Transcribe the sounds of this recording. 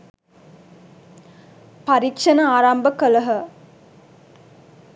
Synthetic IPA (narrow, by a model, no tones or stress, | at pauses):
paɾikʂɐnəaːɾambəkələɦə